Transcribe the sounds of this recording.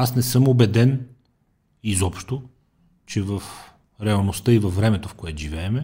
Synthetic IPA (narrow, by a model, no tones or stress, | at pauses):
asnɛsɤmobɛd̪ɛn | izɔpʃt̪o | t͡ʃɛvəf | ɾɛɐlˠnost̪ɤivɐfːɾɛmɛt̪ofkoɛt̪ʊʒivɛːmɛ